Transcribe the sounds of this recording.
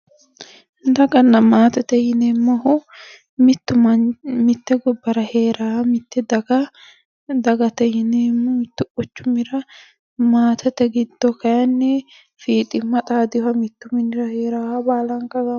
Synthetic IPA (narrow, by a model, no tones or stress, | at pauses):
d̪ɐɡɐnːɐmaːt̪ɐt̪ɛjɪnɛmːɐhʊ | mɪt̪ːʊmɐmɪt̪ːɛɡɔbːɐɾɐheːɾamɪt̪ːɛdɐɡɐ | d̪ɐɡɐt̪ɛjɪnemːɔmɪt̪ːʊʔʊt͡ʃːʊmɪɾɐ | maːt̪ʰɐt̪ɛɡɪd̪ːɔkɐjɐnːɛ | fiːt̪ʼɪmːɐt̪ʼaːd̪ɪfɐmɪt̪ːʊmɪnɪɾɐheːɾaːhɐbaːlɐŋkɐɡɐ